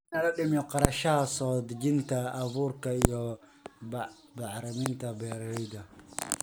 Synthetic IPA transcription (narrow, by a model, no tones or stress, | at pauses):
nɐlɐɗɪmjɔqɑɾɐʃɐhɐsɔːd̪d͡ʒɪnt̪ʰɐːβuːrkɐijɔ | bɑʕɾɐmɪnt̪ʰɐbɛːɾɛjd̪ɐ